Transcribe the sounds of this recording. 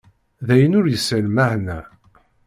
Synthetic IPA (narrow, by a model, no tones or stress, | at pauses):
ðæjənʊɾjəsːəlmæhnæ